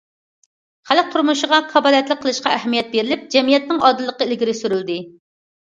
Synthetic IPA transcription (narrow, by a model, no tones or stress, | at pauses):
χælk̚ʲt̪ʰuɾmuʃəʁɑqʰɑbɑːlˠijɛt̪lˠɪkqʰːəlˠɨʃqɑæɦɛmijɛt̪̚beɾɪlɪp̚d͡ʒɛmijɛt̪̚nɪŋɑd̪ɨlˠːəqːəɪlɡʲiɾɪsyɾyld̪ɪ